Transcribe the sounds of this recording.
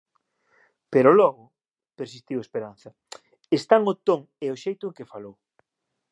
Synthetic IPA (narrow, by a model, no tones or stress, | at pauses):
peɾʊlɔɣʊ | peɾsist̪iwespeɾan̟θɐ | est̪aŋot̪oŋ | eoʃejt̪ʊeŋkɪfalow